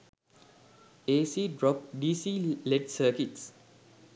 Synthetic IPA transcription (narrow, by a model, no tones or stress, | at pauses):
esidɹɔp̚disilɛdsəkits